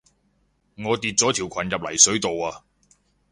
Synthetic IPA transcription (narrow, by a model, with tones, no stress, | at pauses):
ŋɔː˨˧t̪iː˨t̚t͡sɔː˨˥t̪ʰiː˨˩wkʷʰɐ˨˩njɐ˨p̚lɐ̰˨˩jsɵ˨˥t̪o˨waː˧